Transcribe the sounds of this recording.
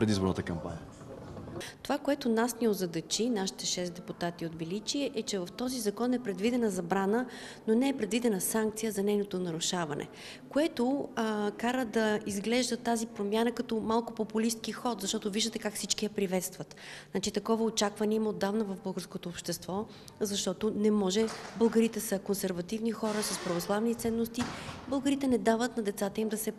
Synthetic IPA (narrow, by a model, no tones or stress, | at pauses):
pɾɛd̪izboɾnət̪əkɐmpa̰nʲiə | t̪ovakoɛt̪ʊnasniozɐd̪ɐt͡ʃinaʃi̥t̪ɛʃɛst̪d̪ɛput̪at̪iod̪vɛlit͡ʃiɛʔɛt͡ʃɛvɐft̪ɔzizɐkɔnɛpɾɛd̪vid̪ɛnəzɐbɾanə | nonɛːpɾɛd̪vid̪ɛnəsaŋk̚t̪sijəzɐnɛjnot̪onɐɾʊʃavɐnʔɛ̰ | koɛt̪okaɾəd̪ɐizɡlɛʒd̪ət̪ːazipɾomʲjanəkɐt̪ɔmalˠkʊpopʊlist̪kixɔt̪zɐʃt̪ɔt̪ʊviʒd̪ət̪ɛkakfsit͡ʃkijəɐpɾivɛt̪st̪vət̪nat͡ʃit̪ɐkɔvəot͡ʃakvɐniɛmod̪ːavnɐvɐvbɤlˠɡəɾskot̪oːpʃt̪ɛst̪vɔ | zɐʃt̪ɔt̪onɛmɔʒɛbəlˠɡəɾit̪ɛsəkonsɛɾvɐt̪ivnixɔɾəsɐspɾɐvoslˠavnit̪sɛnːost̪ibəlˠɡəɾit̪ɛnɛd̪avət̪nɐd̪ɛt̪sat̪əimd̪ɐsɛ